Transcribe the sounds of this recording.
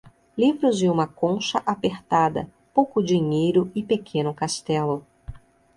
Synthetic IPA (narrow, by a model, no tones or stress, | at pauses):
livɾʊzd͡ʒɪũmɐkõʃɐʔapeɾt̪ad̪ɐ̰ | powkʊd͡ʒiɲejɾʊɪpekʰẽnʊkast̪ɛlʊ